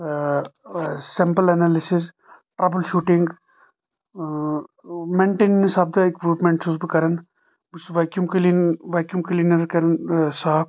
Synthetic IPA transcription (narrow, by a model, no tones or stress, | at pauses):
sɪmpəlɛnaːlɪsɪs | ʈɾɐbəlʃuːʈɪŋɡ | mẽːɳʈeːnnisaːb̚d̪aɪkɾuːpmẽɳʈsusbkɐɾən | bsʋaːkjumklinʋaːkjumklinɐɾkɐɾənsaːb